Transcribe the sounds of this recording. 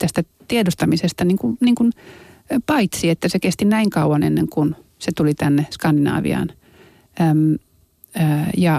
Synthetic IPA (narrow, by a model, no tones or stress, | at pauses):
t̪æst̪æ | t̪iedost̪ɑmisest̪ɑniːŋkuniːŋkun | pɑit̪siet̪ːæsekest̪inæiŋkɑuɑnḛnːeŋkunset̪ulit̪ænːeskɑndinɑ̰ːʋḭɑ̰ːn | mː | jɑ